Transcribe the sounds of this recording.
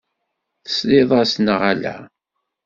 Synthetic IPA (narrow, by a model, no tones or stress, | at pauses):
θə̥slɪðˤasnəʁælæ̰